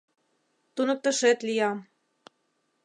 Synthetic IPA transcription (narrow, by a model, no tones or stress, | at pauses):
t̪unɤ̆k̚t̪ɤ̆ʃet̪lijɑ